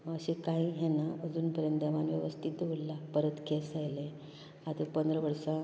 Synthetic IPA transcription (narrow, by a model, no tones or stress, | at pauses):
əɕekaiɦɛnaəd͡zuːnpəɾjənt̪eʋanʋjəʋəst̪ʰit̪̚d̪eullapəɾət̪kʰesajle | at̪əpənd̪ɾəʋəɾsa